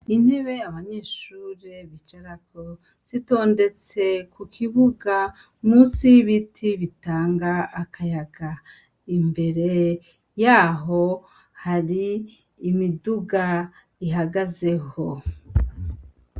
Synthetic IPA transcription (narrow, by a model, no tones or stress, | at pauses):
in̥he̞βe̞aβaɲe̞ːʃuːɾeβit͡ʃaɾako | z̥ito̞ːnde̞t͡se̞kʰukʰiβuɡa | musijiβitʰiβitaːŋɡaːkʰajaɡa | imbe̞ɾe̞ | jaːɦo̞ | haɾiː | miduɡa | iɦaɡaze̞ho̞